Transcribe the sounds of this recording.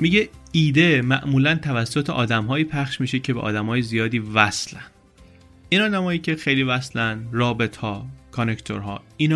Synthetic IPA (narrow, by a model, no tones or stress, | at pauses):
miːɟeiːd̪emæʔmuːlænt̪ʰævæsːot̪ʰeʔɒ̰ːd̪æmɦɒːjiːpʰæxʃmiːʃecʰe̞beʔɒ̰ːd̪æmhɒːjezijɒːd̪iːvæslænd̪ | iːnɒːd̪æmɒːjiːcʰexejliːvæslænd̪ɾɒːbe̞t̪ʰhɒːkʰonekʰt̪ʰo̰ɾɦɒ̰ːiːn